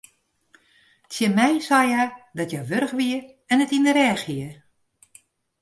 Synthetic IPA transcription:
tsjɪmɛjsajadɔtjɔjʋøɾəxʋiə | ɛnətindəɾɛːxhiə

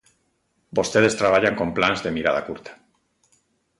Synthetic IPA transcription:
bost̪eð̞est̪ɾaβ̞aʎaŋko̞mplanzðemiɾaða̰kuɾt̪ḁ

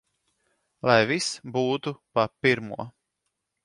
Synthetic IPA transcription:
lˠajvisbuːt̪upapiɾmṵɔ

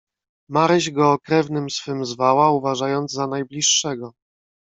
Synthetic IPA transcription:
maɾɘʑɡɔːkɾɛvnɘmsfɘmzvawauvaʐajɔnd̪zzanajblʲiʂːɛɡɔ

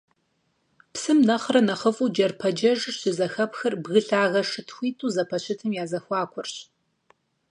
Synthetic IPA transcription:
psɨmnɐχrɐnɐχəfuːd͡ʒɐrpʰɐd͡ʒɐʒɕɪzɐxɐpxɐrbɣɨɬaːɣɐʂɨtʰxʷiːtʰʼuːzɐpʰɐɕɪtʰɨmjaːzɐxʷɑːkʷʰʊrɕ

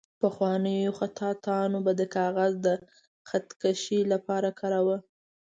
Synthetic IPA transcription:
pəxwɑnəjoxat̪ʰɑt̪ɑnobad̪əkɑɣazd̪ə | xat̪kaʃilapɑɾakʰɑɾawə

